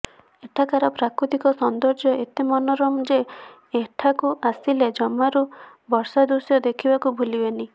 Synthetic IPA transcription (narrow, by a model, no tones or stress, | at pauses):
eʈʰakaɾɔpɾakɾut̪ikɔsɔnd̪ɔɾd͡ʒjɔʔet̪emɔnɔɾɔmd͡ʒe | eʈʰakuʔasiled͡ʒɔmaɾu | bɔɾsad̪usjɔd̪ekʰibakubʱulibeni